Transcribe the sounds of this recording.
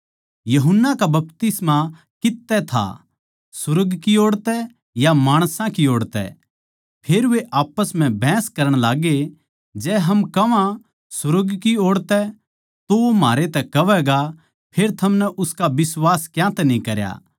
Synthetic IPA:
jɐɦʊnːakabɐp̚t̪ɪsma | kɪt̪ːɛt̪ʰa̰ | sʊɾɡkioːɽt̪ɛ | jamaːɽ̃sãkioːɽt̪ɛ̰ | pʰeːɾʋeʔaːpəsm̤ɛ̃bʱɛ̃ːskɐɾəɽ̃laːɡe | d͡ʒɛːɦɐmkɐʋã | sʊɾəɡkioːɽt̪ɛ | t̪oomaːɾet̪ɛkɐʋɛɡa | pʰeːɾt̪ʰɐmnɛʔʊskabɪswaːskjãːt̪ɛnĩkɐɾja̰ː

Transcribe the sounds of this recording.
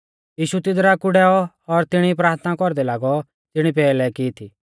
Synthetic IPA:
jiːʃut̪ɪd̪ɾakʊɽɛːɔ | ɔɾt̪ɪɽ̃ipɾaːɾt̪ʰnakɔɾd̪ɛlaːɡɔ | tɪɽ̃ipɛːlɛkɪːt̪ʰiː

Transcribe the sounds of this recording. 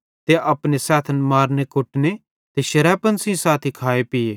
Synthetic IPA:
t̪eʔɐpnesɛːt̪ʰənmaːɾnekʊʈne | t̪eʃɐɾɛːpənsĩsaːt̪ʰikʰaːepɪeː

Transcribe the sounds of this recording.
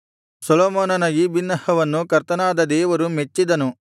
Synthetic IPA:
sɐloːmoːnɐnɐjibinːɐhɐʋɐnːukɐɾt̪ɐnaːd̪ɐd̪ɛːʋɐɾumet͡ʃːid̪ɐnu

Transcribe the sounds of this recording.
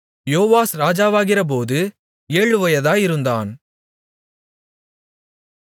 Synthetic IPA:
joːʋaːsɾaːd͡ʒaːʋaːɣɪrɐp̬oːðɯ | eːɻɯʋɐjɐðaːjɪɾɯnd̪aːn

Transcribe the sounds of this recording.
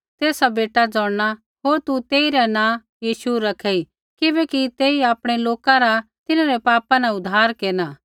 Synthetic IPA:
t̪eːsabeːʈad͡zɔːɽña | ɦoːɾt̪ut̪eːiɾɛnãː | jiːʃuɾɐkʰei | kɪbɛːkit̪eːiaːpɽ̃eloːkaɾat̪ɪnãɾɛpaːpãnaʊd̪ʱːaːɾkeːɾnaː

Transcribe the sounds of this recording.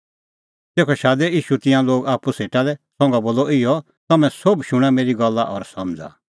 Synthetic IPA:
t̪eːkʰɔʃaːd̪ɛiːʃut̪ɪ̃jãloːɡaːpuseːʈalɛsɔ̃ŋɡaboːlɔɪjɔ | t̪ɐmɛ̃sobʃʊɽ̃ãmeːɾiɡɐlːaʔɔɾsɐmd͡za̰

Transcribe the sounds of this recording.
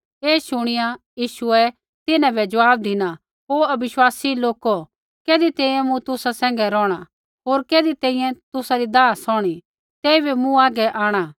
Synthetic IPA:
eːʃʊɽ̃ɪjajiːʃuɛ | t̪ɪnãbɛd͡ʒɐʋaːb̚d̪ʱɪna | ɦoːɐbɪʃwaːsiloːko | keːd̪it̪ɛ̃ːĩjɛ̃mũt̪ʊsasɛ̃ːŋ̆ɡɛɾɔːɽ̃a | ɦoːɾkeːd̪it̪ɛ̃ːĩjɛ̃t̪ʊsaɾid̪aːsɔːɽ̃i | t̪ɛːibimũaːɡɛʔaːɽ̃a

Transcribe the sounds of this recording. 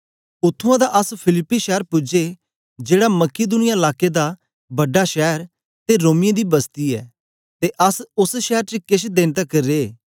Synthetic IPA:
ʊt̪ʰːʊãd̪aʔɐspʰɪlɪpːiʃɛːəɾpʊd͡ʒe | d͡ʒeːɽamɐkid̪ʊnɪjaɪlaːked̪a | bɐɖaʃɛːəɾ | t̪eɾoːmɪjãd̪ibɐst̪iɛ̰ː | t̪eʔɐsʊsʃɛːəɾt͡ʃekɪʃd̪ẽːnt̪ɛkɐɾːeː

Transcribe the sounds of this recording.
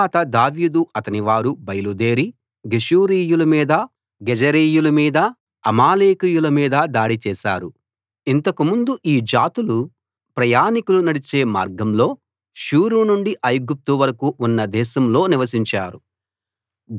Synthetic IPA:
t̪ɐd̪aːʋiːd̪uʔɐt̪ɐniʋaːɾubɐjɐlud̪e̞ːɾi | ɡeʃuːɾiːjulɐmiːd̪ɐ | ɡɛd͡ʒɐɾiːjulumiːd̪ɐː | maːleːkijulɐmiːd̪ɐd̪aːɽit͡ʃɛːʃa̰ːɾu | int̪ɐkumund̪uʔiːd͡ʒaːt̪ulu | pɾɐjaːnikulunɐɽit͡ʃe̞ːma̰ːɾɡɐmlo̞ː | ʃuːɾunuɳɖiʔɐjɡup̚t̪uʋɐɾɐkuʔunːɐd̪ɛːʃɐmlo̞ːniʋɐs̬iɲt͡ʃaːɾu

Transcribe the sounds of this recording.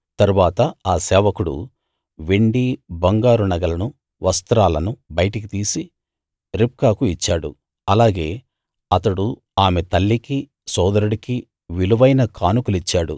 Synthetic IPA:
t̪ɐɾuʋaːt̪ɐaːsɛːʋɐkuɽṵ | ʋeɳɖibɐŋɡaːɾunɐɡɐlɐnu | ʋɐst̪ɾaːlɐnubɐjʈɐkit̪iːsi | ɾip̚kaːkuit͡ʃːaːɽṵ | ɐlaːɡe̞ː | ɐt̪ɐɽu | aːmet̪ɐlːiki | sɔːd̪ɐɾuɽiki | ʋiluʋɐjnɐkaːnukulit͡ʃːaːɽṵ

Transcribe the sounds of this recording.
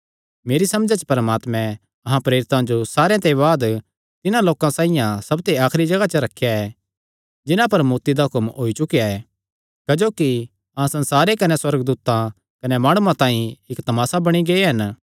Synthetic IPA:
meːɾisɐmd͡ʒat͡ʃə̥pɐɾmaːt̪mɛ̃ | ɐɦãpɾeːɾɪt̪ãd͡ʒosaːɾãt̪eβaːd̪ | t̪ɪnãloːkãsãːĩjãsɐbt̪eaːkʰɾid͡ʒɐɡat͡ʃɐɾɐkʰːejaɛ | d͡ʒɪnãpɐɾmuːɾt̪id̪aɦʊkəmoːit͡ʃʊkijaɛ | kɐd͡ʒoːki | ɐɦãsɐ̃nsaːɾekɐnɛswɐɾɡd̪uːt̪ã | kɐnɛmaːɽ̃uãt̪ãːĩɪkt̪ɐmaːsabɐɽ̃iɡɐeɦɐn

